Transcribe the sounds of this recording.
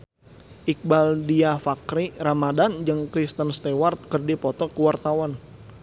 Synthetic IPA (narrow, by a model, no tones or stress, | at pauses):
ʔik̚baldiafakɾiɾamadand͡ʒəŋkɾist̪ənst̪ewart̪̚kərdipɔt̪ɔkəwart̪awan